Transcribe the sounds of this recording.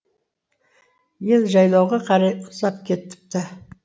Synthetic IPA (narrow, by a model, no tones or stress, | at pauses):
je̞lʒɑjlˠɑwʁɑqʰɑɾɑjʊsɑp̚kʲʰe̞t̪ːɪ̥p̚t̪ɪ